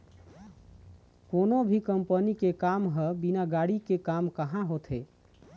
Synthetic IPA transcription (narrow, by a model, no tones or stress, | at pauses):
konobʱikəmpənikekamɦəbinaɡaɽikekamkəɦãɦot̪ʰɦe